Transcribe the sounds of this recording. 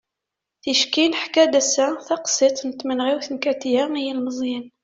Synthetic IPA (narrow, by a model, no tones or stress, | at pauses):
θiʃkinħkæd̪æsæθɑqsˤit̪ˤnət̪ːmənʁiwθənkæt̪ijæjilməzˤjin